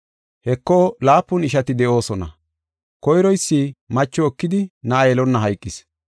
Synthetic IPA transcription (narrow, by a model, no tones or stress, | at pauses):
hɛkːɔlaːpːʊnɪʃɐt̪ɪd̪ɛʔo̞ːsɔnɐ̰ | kɔjɾɔjsːɪmɐt͡ʃːɔːkːɪd̪ɪnɐʔːjɛlɔnːɐɦɐjkʼːɪs